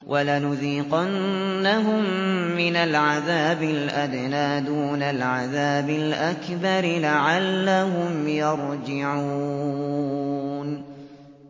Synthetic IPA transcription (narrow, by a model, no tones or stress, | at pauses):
wʔalanʊðiːqanː | aɦʊmːɪnalʕaðaːbɪlʔad̪naːd̪uːnalʕaðaːbɪlʔakbɑɾlaʕalːaɦʊmjɑɾˤd͡ʒɪʕu | n